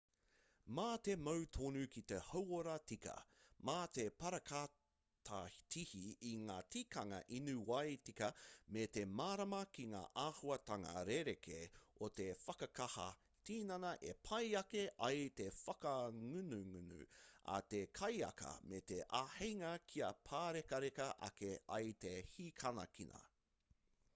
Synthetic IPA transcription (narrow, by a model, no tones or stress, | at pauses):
maːt̪emɐwt̪ʰonʉkit̪ehowoɾɐtikɐ̰maːt̪e̞pɐɾɐkʰa | tʰatʰihiiŋaːtikɐŋɐ̰ʔinuwɐjtikɐmet̪e̞maːɾɐmɐkiŋa̰ːʔaːhuɐt̪ɐŋɐ̰ɾeɾekʰeot̪e̞fɐkɐkɐhɐ̰ | tiːnɐnɐʔepʰɐjɐkeʔɐjt̪e̞fɐkɐŋʉnʉŋʉnʉ̰a̰t̪ekʰɐjɐ̰kɐ̰met̪eʔahejŋɐkʰiɐpʰaːɾekɐɾekɐʔɐ̰keɐ̰jt̪ehikʰɐnɐ̰kinɐ̰